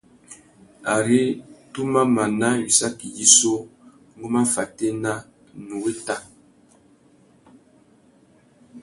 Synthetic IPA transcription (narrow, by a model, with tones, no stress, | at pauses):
a˨ɾi˦tu˦ma˦ma˨na˦ɥi˨sa˦ki˨ji˦so˦ | ŋɡo˦ma˦fa˨te˦na˦ | nu˨we˦ta˦